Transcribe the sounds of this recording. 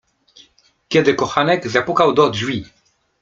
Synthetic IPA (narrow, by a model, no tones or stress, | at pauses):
kʲɛd̪ɘkɔxanɛkzapukawd̪ɔd̪ʒwi